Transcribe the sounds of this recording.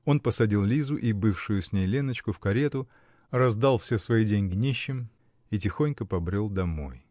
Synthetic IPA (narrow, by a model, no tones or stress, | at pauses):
o̞npəsɐdʲilˠlʲizʊʔibɨfʂʊjʊsʲnʲejlʲe̞nət͡ɕkʊfkɐɾʲet̪ʊ | rɐzd̪alˠfsʲesvɐidʲenʲɡnʲeɕːɪm | itʲɪxo̞nʲkəpɐbɾʲo̞lˠd̪ɐmo̞̰j